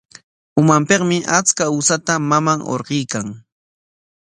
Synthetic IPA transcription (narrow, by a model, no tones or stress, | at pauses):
ʊmampeqmɪʔat͡skausat̪amamaŋo̰ɾɢijkaŋ